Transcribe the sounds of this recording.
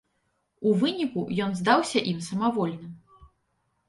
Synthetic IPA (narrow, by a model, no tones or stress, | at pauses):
uvɨnʲikujɔnzd̪awsʲɐʔimsɐmavɔlʲnɨm